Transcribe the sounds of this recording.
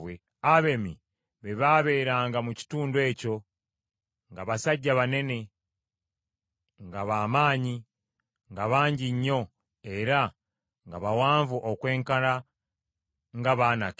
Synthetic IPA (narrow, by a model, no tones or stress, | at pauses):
we | aβe̞mḭ | βeβaːβe̞ːɾaːŋɡamuci̥tuːndwe̞ːco̞ | ŋɡaβasaɟːaβane̞ne̞ | ŋɡaβaːmaːɲi | ŋɡaβaːɲɟiɲːo̞ | e̞ɾa | ŋɡaβawaːɱvuʔokwe̞ːŋkaɾa | ŋɡaβaːna̰k